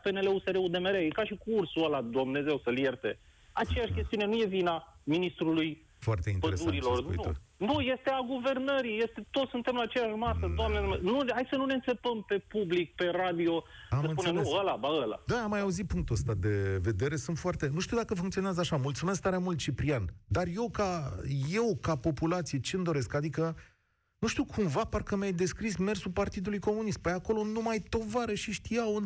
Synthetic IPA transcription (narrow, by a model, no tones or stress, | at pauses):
pe̞nele̞useɾeud̪e̞meɾejkaʃikuursuəlad̪omne̞ze̞wsəlje̞rt̪e̞ | at͡ʃejaʃkʲe̞st̪iune̞nuje̞vinaminist̪ɾuluj | foart̪einpəesd̪uaɾilo̞ṵḭo̰nuje̞st̪e̞aɡuve̞rnəɾije̞st̪e̞t̪o̞t̪sɨnt̪emlat͡ʃejaʃmasəd̪oamned̪menuhajsənune̞ɨnse̞pəmpe̞publik̚pe̞rad̪io̞ | amɨsnpuneeəlabaəla̰d̪aamːajauzit̪̚puŋk̚t̪uəst̪ad̪e̞ve̞d̪e̞ɾe̞sɨnt̪foart̪e̞nuʃt̪iud̪akəfuŋkt̪sioneazəaʃamult̪sumesk̚t̪aɾeamult̪̚t͡ʃipɾiand̪arje̞wkaje̞wkapo̞pulat̪sije̞t͡ʃeɨnd̪o̞ɾe̞skad̪ikə | nuʃt̪iuwkʰumvaparkəmjajd̪e̞skɾisme̞rsupart̪id̪ulujko̞munist̪̚pəjako̞lo̞numajt̪o̞vaɾəʃiʃt̪ijawɨn